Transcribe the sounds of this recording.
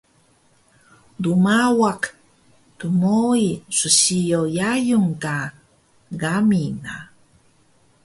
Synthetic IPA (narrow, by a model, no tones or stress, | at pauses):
dumawak | tumoisuɕijojajuŋka | ɡamina̰